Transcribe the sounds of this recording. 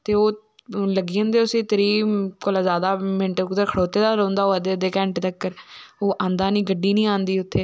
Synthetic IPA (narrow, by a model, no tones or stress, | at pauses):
t̪eːoː | ləɡiːə̃nd̪eːʊsĩːt̪əɾiːkoːlaːzjaːd̪aːmɪɳʈkʊd̪əɾkʰəɽoːt̪eːd̪aːɾə̃ːnd̪aːoːəd̪eːd̪eːkɛ̃ːɳʈt̪əkːəɾoːʔãːnd̪aːnĩːɡəɖːiːnĩːãːnd̪iːʊt̪ʰːeː